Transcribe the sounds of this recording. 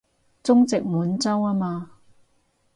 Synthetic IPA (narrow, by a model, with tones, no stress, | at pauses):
t͡sʊ˥ŋt͡sɪ˨k̚muː˨˧nt͡sɐ˥waː˧˥maː˧